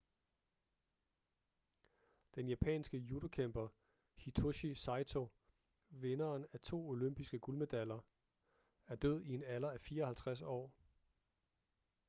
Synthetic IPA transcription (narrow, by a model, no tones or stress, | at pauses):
d̥enjæpʰɛ̰ːnsɡ̥əjud̥okʰemb̥ɐ | hit͡sʰoɕisɑ̈ɪt͡sʰo̝ | ʋe̝nɐːnæt͡sʰo̝̰ːo̝løm̰b̥isɡ̥əɡ̥ulme̝d̥ælɐ | æɐd̥øð̞̰ˠie̝nælɐæfiːɐɒ̽hælt͡sʰʁas̬ɒ̰ː